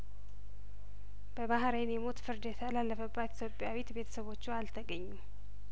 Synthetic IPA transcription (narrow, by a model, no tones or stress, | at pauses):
b̥əβaɦɾejnjɛmo̞t̪fɨɾd̪jɛt̪ʰəlalːəfəbːat̪i̥t̪ʰjo̞pʼjawit̪be̞t̪ʰə̥səβo̞t͡ʃːualt̪ʰəɡəɲːu